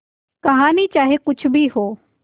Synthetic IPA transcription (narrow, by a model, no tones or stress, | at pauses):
kɐɦaːnit͡ʃaːɦekʊt͡ʃʰbʱiɦoː